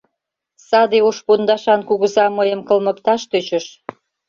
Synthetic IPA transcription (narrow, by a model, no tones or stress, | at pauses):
sɑd̪eoʃpund̪ɑʃɑnkuɣə̆zɑməjə̆mkɤ̆lmə̆kt̪ɑʃt̪øt͡ɕəʃ